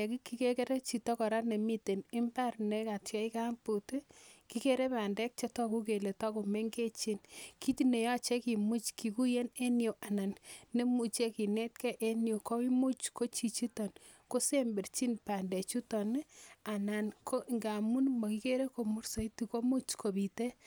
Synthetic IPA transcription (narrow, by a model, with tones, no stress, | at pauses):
ɛ˨ki˦ki˦ke˦ke˦ɾe˦t͡ʃi˨tɔ˦kɔ˨ɾa˦ne˨mi˦te˨nɪ˦mba˦rne˨˦ka˨tja˦i˦ka˦mpu˨tki˦ke˦ɾe˦pa˨ndɛ˦k̚t͡ʃɔ˦tɔ˦ku˦k̬e˨le˨tɔ˦ku˨me˦ŋɡe˦t͡ʃi˦nki˦ti˦ne˨jɔ˦t͡ʃe˦ki˨mu˦t͡ʃki˨ku˦je˦ne˦njo˨ʔa˨na˨nːe˦mu˨t͡ʃe˦ki˨ne˦tkɛ˦ʔe˦njo˨ko˦wi˦mu˦t͡ʃko˦t͡ʃi˨t͡ʃi˦tɔ˨n | ko˦se˦mbe˨rt͡ʃi˦npa˨ndɛ˨t͡ʃu˦tɔ˨na˨na˨nko˦˨ŋɡa˨mu˦nmɔ˨ki˦ke˦ɾe˦ko˨mu˦rso˨i˦ti˨ko˦mu˦t͡ʃko˨bi˨te˦